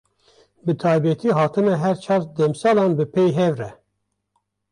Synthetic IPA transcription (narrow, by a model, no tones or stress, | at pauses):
bɨt̪ʰɑːjbɛt̪ʰiːɦɑːt̪ʰɨmɛɦɛɾt͡ʃʰɑːt̪d̪ɛmsɑːlɑːnbɨpʰejɦɛvrɛ